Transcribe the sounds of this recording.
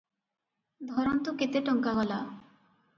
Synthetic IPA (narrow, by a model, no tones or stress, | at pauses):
d̪ʱɔɾont̪oket̪eʈɔŋkaɡɔla